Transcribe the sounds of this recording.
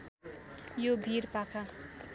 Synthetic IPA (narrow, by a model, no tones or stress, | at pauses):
jobʱiɾpakʰa